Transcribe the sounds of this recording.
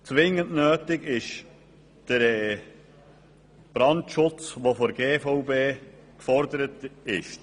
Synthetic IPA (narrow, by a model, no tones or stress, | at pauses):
t͡sʋɪŋːəntnøːtɪɡɪʃ | d̥əɾɛː | b̥ɾɑntʃʊt͡sʋofɔɾɡeːfɔʊbeː | kfɔɾdəɾətɪʃt